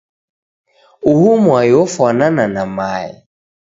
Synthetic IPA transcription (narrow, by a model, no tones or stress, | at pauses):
uhumwajofɔnananamaːɪ̰